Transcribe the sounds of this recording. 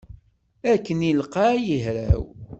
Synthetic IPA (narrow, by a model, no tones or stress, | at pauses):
ækːənilqɑjəɦɾæ̰w